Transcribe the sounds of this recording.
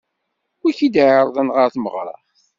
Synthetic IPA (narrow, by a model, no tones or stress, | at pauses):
æçid̪ʕəɾˤðˤɑnʁəɾθməʁɾˤɑ̰